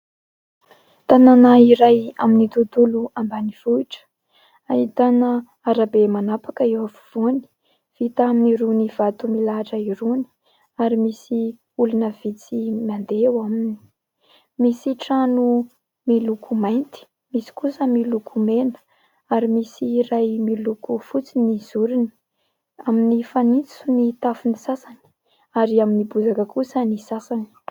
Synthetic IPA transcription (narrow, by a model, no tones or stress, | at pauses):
t̪ananaiɾaja̰minit̪ud̪uluambaniv̥uiʈ͡ʂə̥ | aɦit̪anə | aɾabemanapakəewafu̥v̥uni̥ | v̥it̪aminiɾuniv̥at̪umilaʈ͡ʂəiɾuni̥ | aɾimisi | ulunəv̥it͡simand̪ewamini̥ | misiʈ͡ʂanu | milukʰumajnt̪i̥ | misi̥kusəmilukʰumenə̥ | aɾimisirajmilukufut͡siniz̥uɾini̥ | aminifanit͡sunit̪afunisasani̥ | aɾiaminibuzakəkusənisasani̥